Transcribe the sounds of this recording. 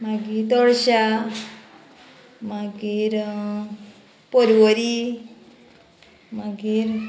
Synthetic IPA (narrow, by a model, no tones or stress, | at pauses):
maɡit̪ɔɽɕa | maɡiɾ | pɔɾʋɔɾi | maɡiɾ